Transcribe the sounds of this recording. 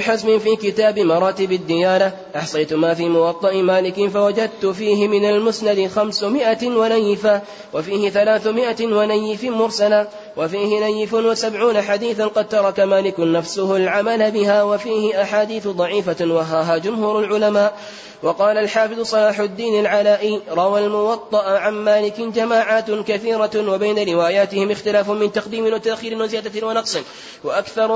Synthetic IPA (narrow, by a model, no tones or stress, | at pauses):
ħazmɪnfiːkɪt̪aːbɪmɑɾˤɑːt̪ɪbad̪ːɪjaːla | ʔɑħsˤɑjt̪ʊmaːfiːmʊwɑt̪ˤːɑʔɪmaːlɪkɪnfawad͡ʒad̪̚t̪ʊfiːɦɪmɪnalmʊsnad̪ɪxamsʊmɪʔawanajːɪfa | wafiːhɪθalaːθʊmɪʔawanajːɪfɪmʊɾsala | wafiːhɪnajːɪfʊnwasabʕuːnaħad̪iːθanqɑd̪̚t̪ɑɾˤɑkamaːlɪkʊnːafsʊhʊlʕamalabɪhaːwafiːhɪʔaħaːd̪iːθʊd̪ˤɑʕiːfawaɦaːɦaːd͡ʒʊmhuːɾʊlʕʊlamaːʔ | wɑqɑːlalħaːfɨðˤʊsˤɑlaːħʊd̪ːiːnalʕalaːʔiːɾˤɑwalmʊwɑt̪ˤːɑʔʕanmaːlɪkɪd͡ʒamaːʕaːt̪kaθiːɾawabajnaɾɪwaːjaːt̪ɪhɪmɪxt̪ɪlaːfʊmɪnt̪ɑqd̪iːmɪnwat̪aʔxiːɾɪnwazjaːd̪awɑnɑqsˤɨn | waʔakθɑɾˤ